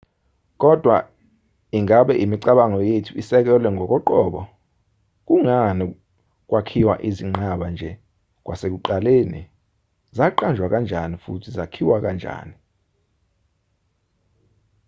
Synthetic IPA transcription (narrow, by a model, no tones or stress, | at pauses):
k̬ʼɔd̥ʱwa | iŋaɓɛʔimiǀaɓaŋɔjetʰuisɛk̬ɛlwɛŋʱɔk̬ɔǃɔːɓɔ | k̬ʼuŋani | k̬wakʰiwa̰ʔiziŋ͡ǃaɓand͡ʒʱɛ | k̬ʼwʔasek̬uǃalenḭ | zaǃand͡ʒʱwak̬and͡ʒʱanifṵtʰizakʰiwak̬and͡ʒʱa̰ːni